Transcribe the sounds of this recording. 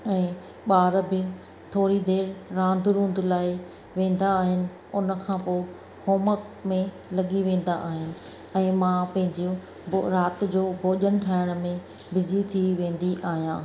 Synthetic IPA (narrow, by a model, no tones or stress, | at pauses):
ɛ̃ː | ɓaːɾbɪ | t̪ʰoːɾid̪eːɾːãːnd̪ʱʊɾũːnd̪laːɪ | ʋẽːn̆d̪aːɦɪnɪ̆ | ʊnə̆kʰãːpoː | hoːməkmẽ | lɐɠiʋẽːn̆d̪a̰ʔaːɦɪnɪ̆ | ɛ̃ːmãpɐ̃ɦɪ̃ɲd͡ʑiõ | ɾaːt̪d͡ʑoːbʱoːʄəñʈʰaːɪɽ̃mẽ | bɪzit̪ʰiʋẽːn̆d̪iʔaːɦijãː